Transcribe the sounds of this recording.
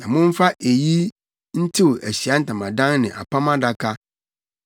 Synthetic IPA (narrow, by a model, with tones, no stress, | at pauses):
nã˨mʊ̃˦m̩˦fa˦ʔe˨ji˦ | n̩˦tʰi˦wo˨ʔæ˨ɕi˨a˦n̩˦tʰã˨mã˨dã˦nnɪ̃˨ʔa̰˨pʰa˦mã˦da˦kʰa˦